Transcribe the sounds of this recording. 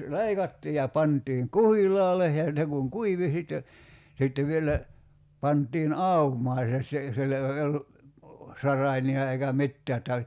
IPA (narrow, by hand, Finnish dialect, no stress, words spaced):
leikɑtːiː jɑ pɑntiːŋ kuhilˑɑːle jɑ ne kuŋ kuiʋi sitːe sitːeʋ ʋielæ pɑntˑiːn ɑumɑː se si silːo ei olːu sɑrɑiniɑ eikæ mitːæː etːæ